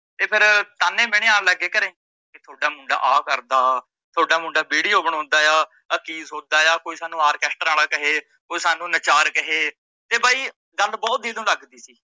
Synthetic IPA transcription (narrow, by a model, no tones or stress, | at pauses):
t̪eːpʰɪɾt̪aːnẽːmeːɽ̃ẽːaːləɡeːkəɾẽː | kit̪ʰoːɖaːmʊ̃ːɳɖa̰ːʔaːkəɾd̪aː | t̪ʰoːɖaːmʊ̃ːɳɖaːbeːɽiːoːbəɽɔ̃ːnd̪aːjaː | əkiːzɦoːd̪aːjaːkoːiːsaːnũːaːɾkɛːsʈəɾaːlaːkəɦeː | koːiːsaːnũːnət͡ʃaːɾkəɦeː | t̪eːbaːiː | ɡəlbɔːt̪̚d̪iːd̪õːləɡd̪iːsiː